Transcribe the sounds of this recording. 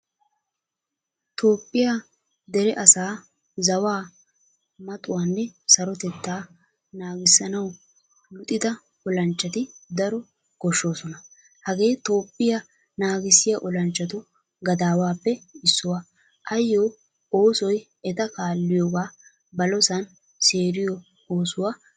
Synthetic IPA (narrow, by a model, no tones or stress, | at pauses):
t̪o̞ːpʼːɪja | d̪ɛɾɛʔɐsaː | zɐwaː | mɐt̪ʼʊwanːɛsɐɾɔt̪ɛt̪ːaː | naːɡɪsːɐnɐw | mʊt̪ʼɪd̪ɐ | ɔlɐnt͡ʃːɐt̪ɪd̪ɐɾɔ | ɡ̥ɔʃːo̞ːsɔnɐ | hɐɡe̞ːt̪o̞ːpːɪjɐ | naːɡɪsɪjɐʔɔlɐnt͡ʃːɐt̪ʊ | ɡɐd̪aːwaːpːɛɪsːʊwɐ | ʔɐjːo | oːsɔj | ɛt̪ɐkaːlːɪjoːɡaː | bɐlɔsɐn | seːɾɪjɔ | oːsʊwaː